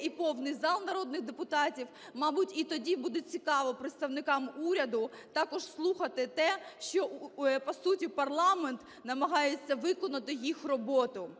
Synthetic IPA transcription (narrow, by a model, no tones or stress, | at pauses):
ipɔwnɪjzɑlˠnɐɾɔd̪nɪxd̪epʊt̪ɑtʲiw | mɑbʊtʲit̪ɔdʲibud̪ɛt͡sʲikɑʋɔpɾeɪt̪st̪ɐʋnɪkɑmuɾʲɐd̪ʊ | t̪ɑkɔʒslˠuxɐt̪ɪt̪ɛʃt͡ʃɔpɐsutʲipɐrlˠɑment̪ | nɐmɐɦɑjet͡sʲːɐʋɪkɔnʊt̪ɪjixrɔbɔt̪ʊ